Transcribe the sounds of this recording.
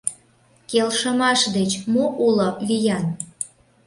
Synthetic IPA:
kelʃəmɑʃd̪et͡ɕmoʔulovijɑn

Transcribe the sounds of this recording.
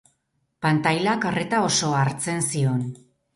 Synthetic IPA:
pant̪ajlakaret̪ao̞so̞aɾt͡se̞nsio̞n

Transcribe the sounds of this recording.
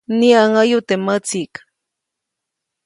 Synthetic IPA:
niaŋajʊt̪emat͡sikḁ

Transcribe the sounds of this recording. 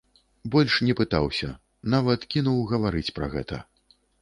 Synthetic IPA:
bɔlʲʂnʲɛpɨt̪awsʲɐ | navɐt̪kʲinuwɣɐvaɾɨt͡sʲpɾɐ̰ɣɛ̰t̪ɐ̰

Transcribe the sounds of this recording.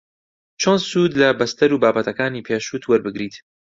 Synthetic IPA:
t͡ʃʰonsuːd̪lɐbɐst̪ɐɾuːbaːbɐt̪ʰɐkaːniːpʰeːʃuːt̪ʰwɐɾbɨɡɾiːt̪

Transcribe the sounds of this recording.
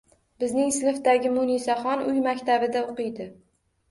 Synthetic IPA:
bɪznɪŋsɪnɪfd̪aɡʲɪmʊnisaχɒnʊjmakʲt̪ʰabɪd̪aoqɨjd̪ɪ

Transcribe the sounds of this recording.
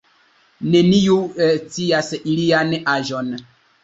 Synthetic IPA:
ne̞niut͡siasilianaʒon

